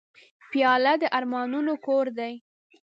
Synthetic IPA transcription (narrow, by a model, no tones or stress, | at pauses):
pjɑlad̪əʔaɾmɑnunokoɾd̪aj